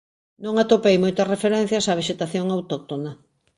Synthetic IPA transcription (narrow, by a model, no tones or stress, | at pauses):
nõŋat̪opejmojt̪ɐsrefeɾɛn̟θjɐsaβ̞eʃet̪aθjoŋawt̪ok̚t̪ona